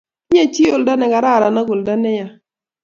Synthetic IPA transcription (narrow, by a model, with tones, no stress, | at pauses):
ɲe˦˨t͡ʃi˦o˨lda˦nɛ˨ɡa˨ɾa˦˨ɾa˨na˦ɡʊ˨lda˦nɛ˦ja˨